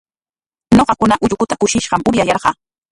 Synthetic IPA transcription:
ɲoqɑkʊnaʔʊʎʊkʊt̪akʊʃɪʃɢɑmʊɾjajɑɾɢɑː

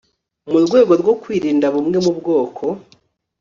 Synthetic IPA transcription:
muɾɡwe̞ːɡo̞ɾɡo̞kwiːɾiːndaβumŋe̞mubɡo̞ːkʰo̞

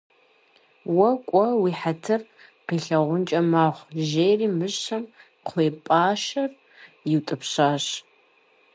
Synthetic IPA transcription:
wɐkʷʼɔwiːħatʰɨr | qiːɬɐʁʷʊnt͡ʃʼɐmaːχʷʒeːjriːmɨɕɕɐm | qʷʰeːpʼaːʃɐr | jɪwtʼɨpɕaːɕ

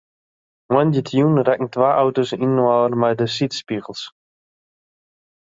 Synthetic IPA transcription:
mwɛndjətʰjuːnrɛkŋ̩tʋaːʔawtosinwɔːərmɛjdəsitspiɣəlˠs

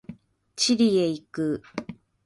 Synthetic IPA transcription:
t͡ɕiɾʲieikɯ

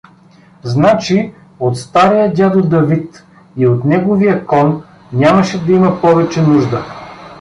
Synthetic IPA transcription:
znat͡ʃi | ot̪st̪aɾijəd̪ʲad̪od̪ɐvit̪ | iot̪nɛɡovijəkɔn | nʲamɐʃɛd̪ɐimɐpɔvɛt͡ʃɛnuʒd̪ə

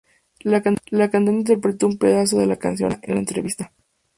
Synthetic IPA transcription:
lakalakant̪onint̪̬eɾpɾet̪o̞umpe̞ðas̬o̞ðe̞laka̰nsjo̞̰nḛnlaent̪ɾe̞̰βist̪a

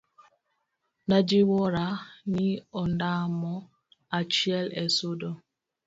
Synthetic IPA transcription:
nad͡ʒiwɔɾaniɔndamɔ | at͡ʃiɛlɛsudɔ

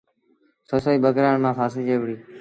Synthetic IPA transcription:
sosoiːɓəɡɾaːɳmãːfaːsĩːd͡ʒeːʋɽiː

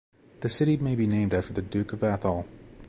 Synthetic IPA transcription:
ðɨsɪɾimeɪbinẽɪ̃mdæftə˞ðɨdʉkʌvæθəl̩ˠ

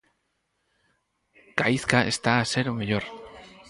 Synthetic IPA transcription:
kaiθkaḛst̪aːse̞ɾomeʎoɾ

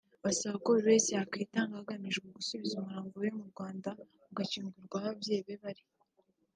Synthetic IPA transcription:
βasaβakoβeːsehakiːtaːŋɡahaɡamiʒɡeɡusuβizumuɾaːŋɡojomuɾɡwaːnda | uɡaciːŋɡuɾɡwahabje̞ːβe̞βaɾi

